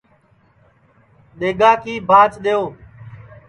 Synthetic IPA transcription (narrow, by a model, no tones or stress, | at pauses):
ɗeːɡaːkiːbʱaːt͡ʃɗejoː